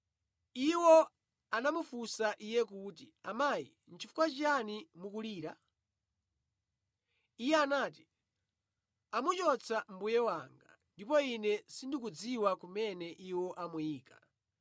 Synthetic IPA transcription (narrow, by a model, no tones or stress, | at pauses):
iwɔ | anamufusaʔijɛkuːtiamaːjḭ | n̩t͡ʃifu̥kwat͡ʃanimukuliːɾa | ijɛanaːt̬i̥ | amut͡ʃɔt͡sʰam̩bujɛwaŋɡa̰ndipɔinɛsindik̬ud͡ziwakumɛnɛʔiwɔʔamujiːkḁ